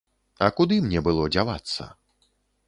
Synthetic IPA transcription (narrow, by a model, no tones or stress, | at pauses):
ɐkud̪ɨmnʲɛbɨlˠɔd͡zʲava̰t̪sːɐ̰